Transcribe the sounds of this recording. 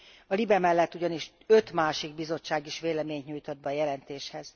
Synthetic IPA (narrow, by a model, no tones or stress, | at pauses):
ɒlibɛmɛlːɛt̪ːuɟɒniʃ | ø̞t̪maːʃiɡ̚bizo̞t͡ʃːaːɡiʃʋeːlɛmeːɲt̪ɲuːjt̪od̪̚bɛːjɛlɛnt̪eːʃhɛz